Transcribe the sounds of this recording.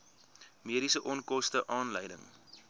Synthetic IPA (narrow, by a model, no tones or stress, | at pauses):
miəɾisəʔɔnkɔstəʔɑːnləjdə̰ŋ